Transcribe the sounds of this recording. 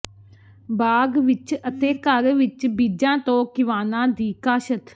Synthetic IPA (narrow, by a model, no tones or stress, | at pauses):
baːɡʋɪt͡ʃət̪eːkəɾʋɪt͡ʃbiːd͡ʒãːt̪õːkɪʋaːnãːd̪iːkaːʃət̪